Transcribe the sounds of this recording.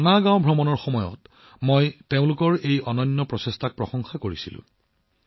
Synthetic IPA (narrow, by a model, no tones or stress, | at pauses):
anaɡãʊbʱɹɔmɔnɔɹxɔmɔjɔ̰t | mojteʊ̃lʊkɔɹejɔnɔnːɔpɹɔsestʰak̚pɹɔxɔŋxakoɹisilʊ̰̃